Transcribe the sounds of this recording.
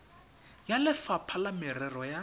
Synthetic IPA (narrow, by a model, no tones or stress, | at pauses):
jalɪfapʰalamɪrɛrɔja